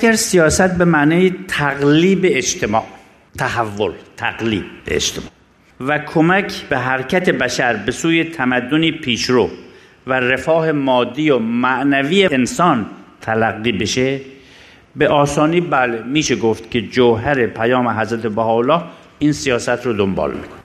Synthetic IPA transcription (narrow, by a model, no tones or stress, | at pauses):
æɡæɾsijɒːsæt̪̚bemæʔnɒːjet̪ʰæɣliːbeːd͡ʒt̪ʰemɒːʔ | t̪ʰæhævːolt̪ʰæɣlḭːb̚eḛd͡ʒt̪ʰemɒ̰ː | vækʰomækʰbeɦæɾcʰæt̪ebæʃæɾbe̞suːjet̪ʰæmæd̪ːoniːpʰiːʃɾoː | være̞fɒːhemɒːd̪ːiːjomæʔnæviːeːnsɒːnt̪ʰælæɣːiːbeʃe | beʔɒːsɒːniːbælemiːʃeɡoft̪kʰʲe̞d͡ʒoɦæɾe̞pʰæjɒːmeɦæzɾæt̪ʰebæhɒːolːɒːh | ʔiːnsijɒːsæt̪ʰɾod̪ombɒ̰ːlmḭkʰone